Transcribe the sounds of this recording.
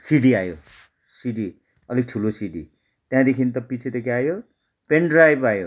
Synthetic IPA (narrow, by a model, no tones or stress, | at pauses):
siɖiajo̰ | siɖi | ʌlik̚ʈʰulosiɖḭ | t̪jãd̪ekʰint̪ʌpit͡sʰet̪ekʰiajo | peɳɖrajbajo